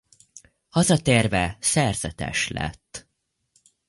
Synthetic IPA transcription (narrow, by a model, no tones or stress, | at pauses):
hɒzɒt̪eːrvɛsɛrz̥ɛt̪ɛ̰ʃlɛ̰t̪ː